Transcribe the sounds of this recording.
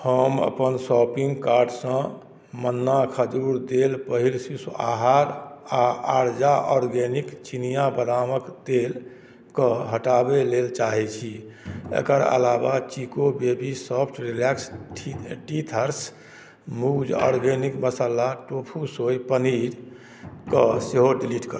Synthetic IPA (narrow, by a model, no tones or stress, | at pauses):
həmə̰pənsɔpiŋɡkaɾɖsə̃ | mənːakʰəd͡ʒuɾd̪elpəɦilsisua̰ɦaɾaaɾd͡ʒaʔɔɾɡenikt͡ʃinijabəd̪aməkd̪el | kəɦəʈabelelt͡ʃaɦɛt͡ʃʰiḛkəɾə̰labat͡ʃikobebisɔpʰʈɾilɛksʰ | ʈit̪ʰəɾs | mud͡ʒɔ̰ɾɡenikməsalaʈopʰusojpənid͡ʒ | kəseɦoɖiliʈkə